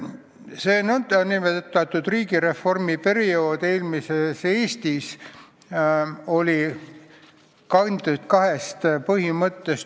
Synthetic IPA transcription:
seːnond̪̥ɑnːimet̪ːɑt̪ːˑud̪̥riːɡ̥iɾe̞fo̞rmipe̞ɾio̞ːd̪̥e̞ːlmiseseːst̪is | o̞lʲi | kɑnd̪ut̪kɑɦe̞st̪pɤhimɤt̪ːes

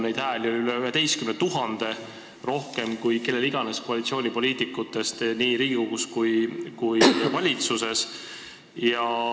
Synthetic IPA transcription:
nejd̪hæːlʲjoliyleyɦe̞t̪e̞jskymnent̪ːuɦɑnd̪̥e̞ | ro̞hke̞mkujke̞lːe̞liɡ̥ɑne̞sko̞ɑlit̪sio̞ːnʲipo̞liːt̪ˑikːˑut̪ːe̞st̪niːɾiːɡiɡoɡuskujkujvɑlʲit̪suse̞s | jɑ

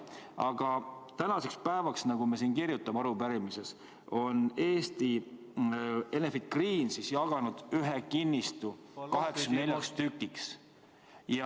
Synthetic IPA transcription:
ɑɡ̥ɑt̪ænɑse̞kspæevɑksnɑɡ̥umes̬iːnkirjut̪ːˑɑmɑɾupæɾimise̞s | o̞ne̞ːst̪i | e̞nefid̪̥̚kriːnsisjɑɡ̥ɑnud̪̥yɦekinːist̪ukɑɦe̞kssne̞lʲjɑkst̪ykːˑiks | jɑ

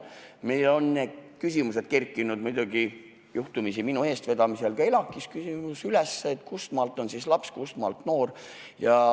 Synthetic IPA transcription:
me̞jlo̞nːekysimuse̞d̪̥̚kerkːˑinud̪mujd̪̥uɡ̥i | juht̪umisiminue̞ːst̪ve̞d̪ɑmise̞lɡ̥ɑelɑkːˑiskysimusylesːet̪ːkust̪mɑlt̪ːˑo̞nsislɑpskust̪mɑ̰lt̪no̞ːr | jɑ

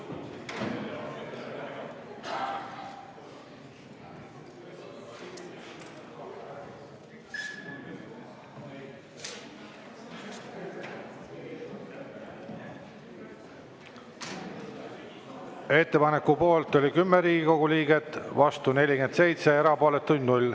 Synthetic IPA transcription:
e̞t̪ːe̞pɑne̞kːupo̞ːlt̪o̞lʲikymːeɾiːɡiko̞ɡ̥uliːɡe̞t̪ːˑvɑst̪une̞lʲiɡe̞nd̪se̞jt̪seeɾɑpo̞ːlet̪ːujʲnulʲ

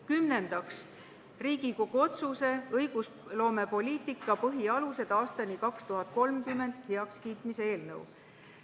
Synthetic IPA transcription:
kymne̞nd̪̥ɑks | riːɡ̥iko̞ɡ̥uo̞t̪suse̞ɤjɡ̥us | lo̞ːme̞po̞lʲiːt̪ˑikːˑɑpɤɦiɑluse̞d̪̥ɑːst̪ɑnikɑkst̪uɦɑt̪̚ko̞lmkymːe̞nd̪̥heɑkskiːt̪ˑmisee̞ːlnɤ̰w̰

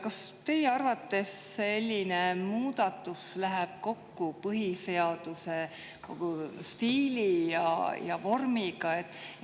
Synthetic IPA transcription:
kɑst̪e̞jeɑrvɑt̪ːˑe̞sːe̞lʲːinemuːd̪ɑt̪ːˑuslæɦɛb̥̚ko̞kːupɤɦise̞ɑd̪̥use̞ | ko̰ɡ̥ust̪iːlijɑ̰jɑvo̞rmiɡ̥ɑet̪ːˑ

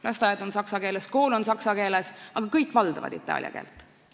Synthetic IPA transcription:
lɑst̪ɑjɑd̪o̞nsɑksɑkeːlesko̞ːlo̞nsɑksɑke̞ːlesɑɡ̥ɑkɤjkːˑvɑld̪̥ɑvɑ̰d̪̥ḭt̪ːˑɑ̰ːlʲjɑ̰ke̞̰ːlt̪ˑ

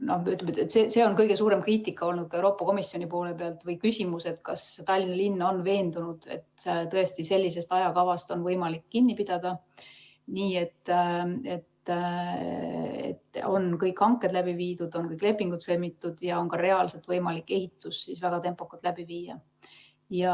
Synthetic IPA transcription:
no̞meyt̪lemet̪ːˑet̪seːse̞o̞nkɤjɡ̥e̞suːɾe̞mkriːt̪ikːˑɑo̞lnud̪̥̚kɑewɾo̞ːpːˑɑko̞misjo̞nʲipo̞ːle̞pe̞ɑlt̪vɤjkysʲimuse̞d̪kɑst̪ɑlʲːinɑlinːo̞nve̞ːnd̪unud̪̥e̞̰t̪t̪ɤ̞e̞st̪ise̞lʲːise̞st̪ɑjɑkɑvɑst̪o̞nvɤjmɑlikːinʲːipid̪̥ɑd̪̥ɑ | niːe̞t̪ːe̞t̪ | ḛt̪o̞̰nkɤjkːɑŋkːˑe̞d̪læbiviːd̪̥ud̪̥o̞nkɤjkːˑle̞pːˑiŋɡ̥ud̪̥sɤlmit̪ːˑud̪̥jɑo̞nkɑɾe̞ɑlse̞t̪vɤjmɑlikːˑe̞hit̪ˑːusːisvæɡ̥ɑt̪e̞mpˑokːɑlt̪læbiviːjɑ̰ | jɑ

